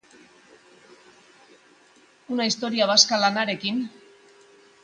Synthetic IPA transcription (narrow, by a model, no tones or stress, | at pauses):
unaist̪o̞ɾiaβaskalanaɾe̞kin